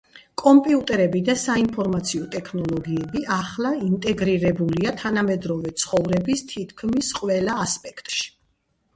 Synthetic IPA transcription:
kʼɔmpʼiut̪ʼɛɾɛbid̪asainpʰɔɾmat̪sʰiɔt̪ʼɛkʰnɔlˠɔɡiɛbiʔaχlˠaint̪ʼɛɡɾiɾɛbuliat̪ʰanamɛd̪ɾɔvɛt̪sʰχɔvɾɛbist̪ʰit̪ʰkʰmisqʼwɛlaːspʼɛkʰt̪ʼʃi̥

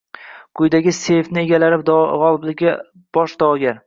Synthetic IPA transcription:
kʰʊjd̪aɡʲɪse̞ft̪nɪe̞ɡʲalaɾɪp̚d̪ʁɒlˠɪblɪɡʲa | b̥ɒʃd̪ɒɡʲaɾ

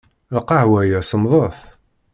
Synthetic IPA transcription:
lqɑʕwæjəsəmðˤəθ

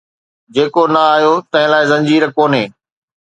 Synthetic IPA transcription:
d͡ʑeːkonɐaːɦjot̪ɐ̃ɦɪ̃laːɪzɐ̃ɲd͡ʑiːɾkoːnɦeː

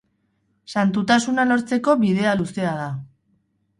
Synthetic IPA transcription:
sant̪ut̪asunalo̞ɾt͡se̞ko̞βiðe̞aluse̞að̞a

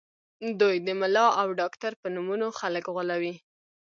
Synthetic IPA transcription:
d̪ujd̪əmalɑawɖɑkt̪aɾpənumunoxaləkɣalawi

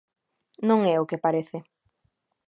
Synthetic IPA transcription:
nõŋɛʊkepaɾeθɪ

